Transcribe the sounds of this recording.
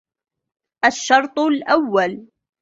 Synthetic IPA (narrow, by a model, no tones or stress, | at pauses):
ʔaʃːɑɾˤt̪ˤlʔawːal